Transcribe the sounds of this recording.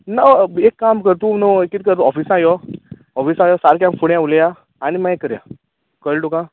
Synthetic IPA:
naekːamkəɾt̪unoekːit̪̚kəɾt̪uɔfisãjɔ | ɔfisajɔsaɾkjamfʰuɳjãulja | aɽ̃imãekːəɾja̰ | kəlʈukã

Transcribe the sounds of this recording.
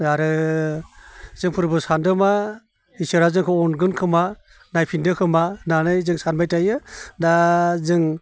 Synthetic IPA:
aɾɯ | zɯŋpʰɯɾbɯsandɯma | isɯɾazɯŋkʰɔɔnɡɯnkʰɯma | najpʰindɯkʰɯmananɯjzɯŋsanbajtʰajɯdazɯŋ

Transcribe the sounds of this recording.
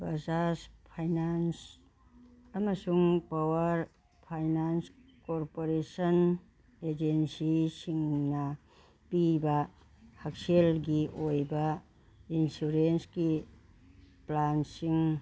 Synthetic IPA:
bazaspʰajnans | ɐmɐsuŋpawɐɾ | pʰajnans | koɾpoɾesɐn | ed͡ʒensisiŋnɐ | pibɐ | hak̚selɡiʔojbɐ | insuɾensɡi | plansiŋ

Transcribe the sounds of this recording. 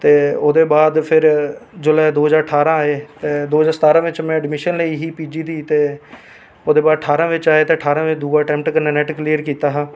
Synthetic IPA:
t̪eːoːd̪eːbaːd̪pʰɪɾd͡ʒʊlɛːd̪oːɦəzaːɾəʈʰaːɾãːaːeːt̪eːd̪oːɦzaːɾsət̪aːɾãːʋɪt͡ʃmɛ̃ːɖɪmɪʃənləiːɦiːpiːd͡ʒiːd̪iːt̪eː | oːd̪eːbaːd̪əʈʰaːɾãːʋɪt͡ʃaːeːt̪eːəʈʰaːɾãːʋɪt͡ʃd̪uːɡaːʈɛ̃ːmp̚ʈkəneːnɛːʈkliːəɾkiːt̪aːɦãː

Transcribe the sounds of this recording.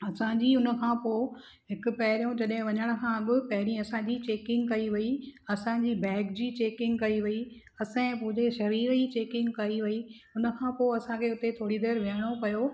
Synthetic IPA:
ɐsãɲd͡ʑiːʊnə̆kʰãːpoː | ɦɪkʊpɐɦɪɾijõd͡ʑɐɗɦɪ̃ʋɐɲəɽ̃ə̆kʰãːbɪpɐɦɪɾĩɐsãːd͡ʑiːt͡ɕeːkɪ̃ŋɡkɐiʋɐiɐsãd͡ʑiːbɛːkd͡ʑiːt͡ɕeːkɪ̃ŋɡkɐiʋɐi | ɐsãẽpʊ̃ɦɪ̃ɲd͡ʑeʃɐɾiːɾd͡ʑit͡ɕeːkɪ̃ŋɡkɐiʋɐi | ʊnə̆kʰãːpoːɐsãkʰeːʊt̪et̪ʰoːɽid̪eːɾʋjɽ̃opɐjo

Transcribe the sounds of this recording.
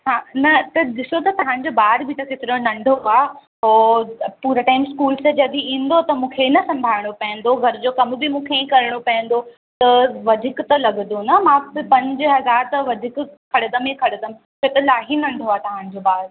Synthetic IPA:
ɦãːnɐt̪ɐɗɪsot̪ɐt̪ɐʋ̤ãnɪ̆d͡ʑoːbaːɾbʱɪt̪ɐkeːt̪ɪɾõnɐ̃ɳɖʱoaː | ɦoːpuːɾaʈaːɪmskuːlsed͡ʑɐd̪iĩːn̆d̪ot̪ɐmũːkʰenɐsɐ̃mbʱaːɪɽ̃opɐ̃ɦə̃n̆d̪oɡʱɐɾd͡ʑoːkɐmbɪmũːkʰeĩkɐɾɪɽ̃opɐ̃ɦɪ̃nd̪o | t̪ɐʋɐd̪ʱɪkt̪ɐlɐɡnd̪onɐmãpɐ̃ɲd͡ʑʊɦɐzaːɾt̪ɐʋɐd̪ʱɪkkʰɐɽɪd̪ɐmẽkʰɐɽɪd̪ɐmʰ | ot̪ɐlaːɦinɐ̃ɳɖʱoaːt̪ɐʋ̤ãːn̆d͡ʑoːbaːɾ

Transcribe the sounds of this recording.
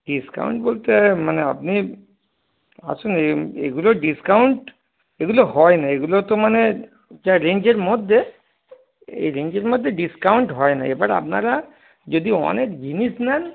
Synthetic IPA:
ɖiska̰wɳʈbolt̪emanea̰pni | a̰suneḛɡuloɖiskauɳʈ | eɡuloɦɔjnaeɡulot̪omane | d͡ʒaɾend͡ʒeɾmɔd̪ʱːe | ḛɾend͡ʒeɾmɔd̪ʱːeɖiskawɳʈɦɔjna̰ebaɾea̰pnaɾa | d͡ʒod̪iɔ̰nekɡʱinisnan

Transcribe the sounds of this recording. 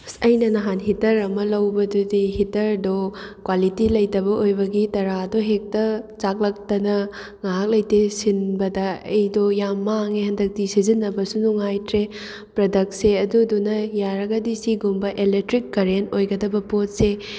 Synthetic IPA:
sɐjnɐnɐɦanɦitɐɾɐmɐlɐwbɐdudihitɐɾdokwalitilɐjtɐbɐʔojbɐɡitɐɾadoɦek̚tɐt͡ʃak̚lɐk̚tɐnɐ | ŋaɦak̚lɐjtesinbɐdɐɐjdojamːaŋehɐndɐk̚tisizinːɐbɐsunuŋajtɾe | pɾɐdɐk̚seɐdudunɐjaɾɐɡɐdisiɡumbɐʔelek̚tɾikːɐɾentojɡɐdɐbɐpot̚se

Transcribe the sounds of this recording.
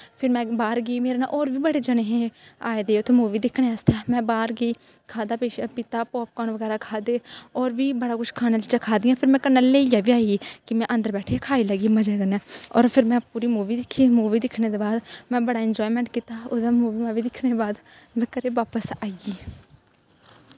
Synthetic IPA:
pʰɪɾmɛ̃ːbaːɾɡiːmeːɾeːna̰ʔɔːɾʋiːbəɽeːd͡ʒəɽeːɦẽːa̰ːeːd̪eːʊt̪ʰːeːmuːʋiːd̪ɪkʰɽeːəst̪ʰeːmɛ̃ːbaːɾɡiː | kʰaːd̪aːpepɪt̪aːpɔːp̚kaːnʋəɡɛːɾaːkʰaːd̪eːɔːɾʋiːbəɽaːkʊt͡ʃkʰaːnaːd͡ʒɪt͡ʃãːkʰaːd̪ɪjãːpʰɪɾmɛ̃ːkənːəlːeːijaːʋiːaːiikɪmɛ̃ːʔə̃nd̪əɾbɛːʈʰeːkʰaːiːləɡiːməd͡ʒaːɡənɛːɔːɾpʰɪɾmɛ̃ːpuːɾiːmuːʋiːd̪ɪkʰːiːmuːʋiːd̪ɪkʰneːd̪eːbaːd̪mɛ̃ːbəɽaːɪnd͡ʒɔːimɛ̃ːɳʈkiːt̪aːʊãːmuːʋiːmãːʋiːd̪ɪkʰɽeːbaːd̪ | ʋɪkəɾeːʋaːpəsaːiɡiː

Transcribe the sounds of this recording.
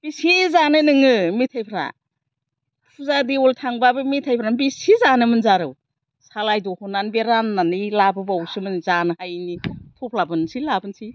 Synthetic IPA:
b̥isizanɯnɯŋɯmitʰajpʰɾa̰ | pʰuzadioltʰaŋbabɯmitʰajpʰɾanbisizanɯmɯnzaɾɯw | salajdohunanbeɾanːanilabɯbawsɯmɯnzanɯhajnitʰopʰlabɯnsilabɯnsi

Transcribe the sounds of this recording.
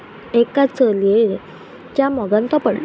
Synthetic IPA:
ekat͡səleɭ | t͡ɕjamɔɡãnt̪ɔpəɽ

